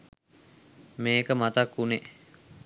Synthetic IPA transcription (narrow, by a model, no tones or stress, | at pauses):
meːkəmat̪akːune